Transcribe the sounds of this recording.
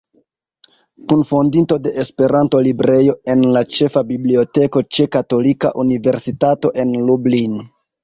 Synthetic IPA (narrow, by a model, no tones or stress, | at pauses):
kunfo̞ndinto̞de̞ʔespe̞ɾanto̞libɾe̞jo̞e̞nlat͡ʃe̞fabiblio̞te̞ko̞t͡ʃe̞kato̞lika̰ʔunive̞ɾsitato̞ʔe̞nlublin